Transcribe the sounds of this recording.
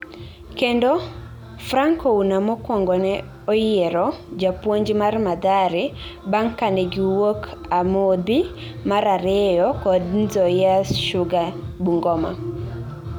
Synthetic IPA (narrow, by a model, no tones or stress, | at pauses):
kendɔ | fraŋkounamɔkwɔŋɡɔnɛ | ɔjeɾɔd͡ʒapwoɲd͡ʒmarmad̪aɾɪbaŋkanɛɡɪwokamod̪i | maɾaɾɛjɔkɔdnzɔjaʃʊɡabuŋɡɔma̰